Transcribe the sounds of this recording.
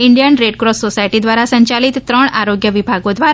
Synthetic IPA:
iɳɖijənɾeʈkɾosːosajʈid̪ʋaɾasəɲt͡ɕalit̪ːɾəɳ̃aɾoɡjəʋibʱaɡod̪ʋaɾ

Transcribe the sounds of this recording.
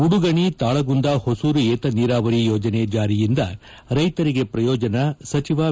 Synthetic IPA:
uɽuɡɐɳit̪aːɭɐɡund̪aːhosuːɾueːt̪ɐniːɾaːʋɐɾijoːd͡ʒɐned͡ʒaːɾijind̪ɐ | ɾɐjt̪ɐɾiɡepɾɐjɔːd͡ʒɐnɐsɐt͡ʃiʋaː

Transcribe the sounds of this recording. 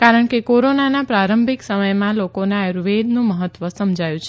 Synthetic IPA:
kaɾəɳkekoɾonanapɾaɾəmbʱiksəməjmãlokoneaɾʋed̪nũməɦət̪ʋəsəmd͡ʒʱajũt͡ʃʰe

